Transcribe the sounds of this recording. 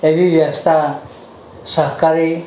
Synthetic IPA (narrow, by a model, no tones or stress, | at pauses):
eʋiʋjəst̪ʰa | səɦkaɾi